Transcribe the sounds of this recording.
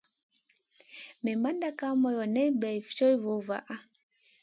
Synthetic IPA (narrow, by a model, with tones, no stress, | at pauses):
mɛ˨ma˦nda˦ka˦mɔ˨jɔ˨nɛ˦bɛ˨i˨ft͡ʃɔ˦i˦vo˨˦va̰˨ʔa˦